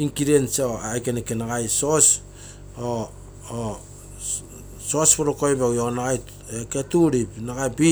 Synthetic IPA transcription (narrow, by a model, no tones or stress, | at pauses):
iŋkiɾensoajkenekenaɡajsos | o | sospoɾokojbeonaɡaj | eketuɾipnaɡabi